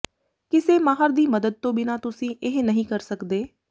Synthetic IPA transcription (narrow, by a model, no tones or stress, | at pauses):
kɪseːmaːɦəɾd̪iːməd̪əd̪̚t̪õːbɪnãːt̪ʊsĩːʔɪɦnəɦĩːkəɾsəkd̪eː